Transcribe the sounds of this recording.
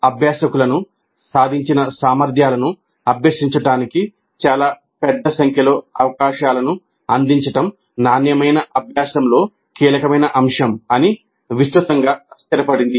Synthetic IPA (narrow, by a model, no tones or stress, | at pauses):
ɐbʱjaːsɐkulɐnu | saːd̪ʱiɲt͡ʃinɐsaːmɐɾd̪ʱjaːlɐnu | ɐbʱjɐsiɲt͡ʃɐʈaːniki | t͡ʃaːlaː | pɛd̪ːɐsɐŋkʰjɐlo̞ːɐʋɐkaːʃaːlɐnu | ɐnd̪iɲt͡ʃɐʈɐm | naːnjɐmɐjnɐʔɐbʱjaːsɐmlo̞ː | kiːlɐkɐmɐjnɐʔɐmʂɐmɐni | ʋist̪ɾɐt̪ɐŋɡaːɐst̪ɐɾɐpɐɽind̪i